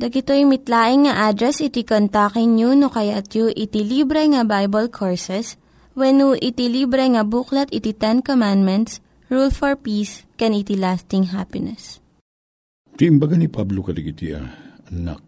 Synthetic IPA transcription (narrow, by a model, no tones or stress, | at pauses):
d̪ɐɡɪt̪ojmɪt̪laːʔɪŋːɐʔad̪ɾɛsɪt̪ikont̪akɪŋɲunokɐjat̪juʔɪt̪ilibɾɛŋɐbajbɐlkʰoɹsɛs | wɛnuʔɪt̪ilibɾɛŋɐbuklɐt̪ɪt̪it̪ɛnkomãnd̪mɛnt̪s | ɹulfɔɹpiːskɛnit̪ilast̪ɪŋɦapɪnɛs | t̪iʔɪmbɐɡanipablokɐd̪ɐɡit̪ḭɐ̰ɐna̰k̚